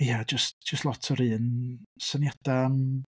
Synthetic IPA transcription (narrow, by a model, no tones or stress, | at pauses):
jad͡ʒəstd͡ʒ̥əstlˠɔtʰɔɾɨːnsənjad̥an